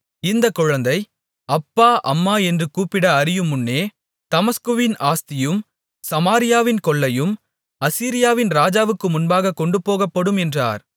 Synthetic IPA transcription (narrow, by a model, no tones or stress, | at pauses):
ɪnd̪ɐkːɔɻɐnd̪ɐɪ | ɐpːaːʔɐ̰mːaːɛndrɯkuːpːɪɽɐɐɾɪjɯmːʊnːeː | t̪ɐmɐskɯʋɪnaːst̪ɪjɯm | sɐmaːɾɪjaːʋɪnkɔɭːɐjɯm | ɐsiːɾɪjaːʋɪnɾaːd͡ʒaːʋɯkːɯmʊnbaːɣɐkːɔɳɖɯpːoːɣɐpːɐɽɯmɛndra̰ːɾ